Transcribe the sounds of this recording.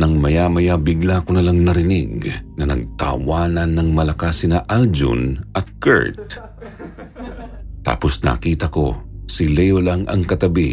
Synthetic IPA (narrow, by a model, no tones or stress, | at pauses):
nɐŋmɐjamɐjabɪɡlakonɐlaŋnɐɾɪnɪɡnɐnɐ̰ɡ̚t̪a̰ːwaːnɐnːɐŋmɐlɐkasɪnɐʔald͡ʒʊ̰nʔɐt̪̚kɛ̰ɹt̪̚ | t̪a̰ːposna̰ːkiːt̪ɐko̞̰sɪlɛjolaŋɐ̰ŋkɐt̪ɐbḭ